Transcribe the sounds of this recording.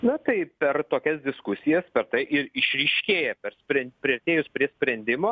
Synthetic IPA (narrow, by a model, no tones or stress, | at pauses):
nʊt̪ɐɪpʲɛrt̪oːkʲɛs̬d̪ʲɪskʊsʲɪjɛspʲɛɾt̪ɐɪʔɪɾɪʃʲɾʲɪʃʲkʲeːjɛpʲɛrsʲpʲɾʲɛnʲpʲɾʲiɐrʲt̪ʲeːjʊspʲɾʲiɛsʲpʲɾʲɛnʲd̪ʲɪmoː